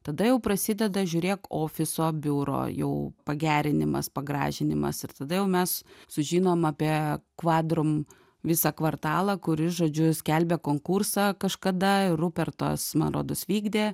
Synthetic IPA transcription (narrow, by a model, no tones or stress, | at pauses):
t̪ɐd̪ɐjɛʊpɾɐsʲɪd̪ʲɛd̪ɐʒʲʊːɾʲeːkoːfʲɪsoːbʲuːɾo̰ːjɛ̰ʊpɐɡʲæːɾʲɪnʲɪmɐ̰spɐɡɾɑ̰ːʒʲɪnʲɪmɐ̰sɪrt̪ɐd̪ɐjɛʊmʲɛssʊʒʲiːnoːmɑːpʲiɛkʋɑːd̪ɾʊm | ʋʲɪsɑkʋɐrt̪ɑːlˠɐkʊɾʲɪʒoːd͡ʒʲʊsʲkʲɛlʲbʲekoːŋkursɑkɐʃkɐd̪ɐɪrʊpʲɛrt̪o̰ːsmɐnɾo̰ːd̪ʊsʋʲiːɡd̪ʲeː